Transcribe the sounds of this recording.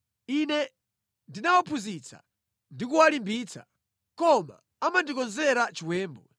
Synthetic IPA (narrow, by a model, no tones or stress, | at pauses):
inɛ | ndinawapʰuzit͡sʰa̰ | ndikuwalimbiːt͡sa̰ | kɔma̰ | amandikɔnzɛɾat͡ʃiwɛːmbɔ̰